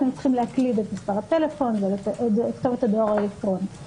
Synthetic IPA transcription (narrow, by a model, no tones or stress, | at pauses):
nemt͡sχimleɦaklid̪etmispaʁat̪e̞le̞fo̞nzellikt̪ovet̪ad̪oʁaelekt̪ʁo̞ni